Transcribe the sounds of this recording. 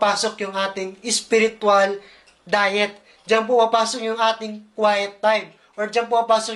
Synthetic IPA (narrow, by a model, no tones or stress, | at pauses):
paːsokjʊŋaːt̪ɪŋɪspɪɾɪt̪wal | d̪aːjɛt̪̚ | d͡ʒɐŋp̬omapaːsok̚jʊŋʔaːt̪ɪŋkwaːjɛt̪ːajm | ʔoɹd͡ʒɐŋp̬opɐpaːsok